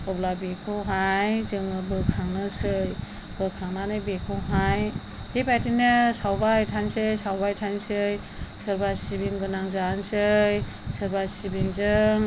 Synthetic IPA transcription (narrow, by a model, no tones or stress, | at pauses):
ɔblabekʰɯɦajzɯŋɯbɯkʰaŋnɯsɯj | b̥ɯkʰaŋnanɯbekʰɯwɦaj | hibajtʰinɯsawbatʰansɯjsawbajtʰansɯj | sɯɾbasibiŋɡɯnaŋzansɯj | sɯɾbasibiŋzɯŋ